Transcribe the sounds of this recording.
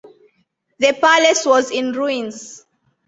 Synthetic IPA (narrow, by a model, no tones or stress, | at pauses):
ðəpalɛswɔzĩnɹuĩnz